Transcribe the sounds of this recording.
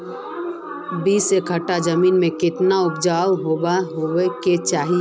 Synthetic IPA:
biːsekʰəʈad͡ʒəmiːnmẽkɪt̪naʊpd͡ʒaːwɦobaɦoeket͡ʃaːɦi

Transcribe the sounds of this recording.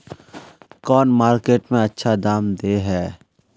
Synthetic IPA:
kɔːnmaːɾkeːʈmẽɐtːʃʰad̪aːmd̪eɦɛː

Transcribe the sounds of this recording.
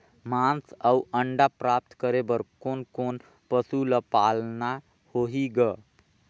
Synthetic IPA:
mãːnsəwə̃ɳɖapɾaːp̚t̪kəɾebəɾkoːnkoːn | pəsuləpaːlna | hoːɦiɡə

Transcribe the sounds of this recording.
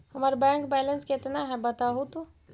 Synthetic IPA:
həməɾbɛ̃ŋkbɛːlənsket̪naɦɛbət̪aɦut̪o

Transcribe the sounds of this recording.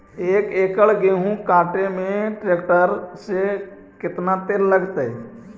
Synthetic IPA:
eːkeːkəɭɡeːɦũkaːʈemẽʈɾeːkʈəɾse | kɪt̪nat̪eːɾləɡt̪ai

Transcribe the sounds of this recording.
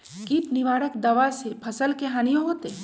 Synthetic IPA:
kipnɪʋaːɽəkd̪ɐʋasepʰɐsəlkeɦaːnijõɦoːt̪eː

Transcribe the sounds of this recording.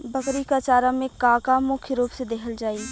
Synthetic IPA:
bɐkɾikat͡ʃaːɾamẽkaːkamʊkʰjəɾuːpsed̪ekʰəld͡ʒaːiː

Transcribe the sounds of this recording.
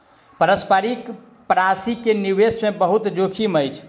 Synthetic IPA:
pəɾəspəɾik | pɾasikeniwesmebəɦut̪d͡ʒokʰiməjt͡ʃʰ

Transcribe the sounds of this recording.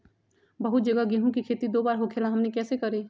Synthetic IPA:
bɐɦʊt̪̚d͡ʒɐɡaɡɪɦũkikʰeːt̪id̪oːbaːɾɦokʰeːlãɦɐmnekɛːsekɐɾeː

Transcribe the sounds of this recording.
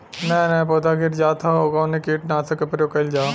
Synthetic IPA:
nɛ̃ːnɛ̃poːd̪aːɡɪɾd͡ʒaːt̪ʰaokaːnikiːʈnaːsɐkɐpɾjoːkɐld͡ʒaː

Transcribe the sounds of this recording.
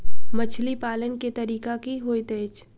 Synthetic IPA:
mɐt͡ʃʰlipaːlənket̪ɐɾiːkakiɦoːit̪eːt͡ʃ

